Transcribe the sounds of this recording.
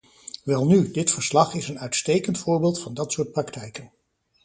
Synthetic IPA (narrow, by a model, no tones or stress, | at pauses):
ʋɛlˠnydɪtfəɹslɑχɪsənœɥtstejkəntfʊːɹbeːlˠtfɑndɑtsʊːɹt̚prɑktɛjkən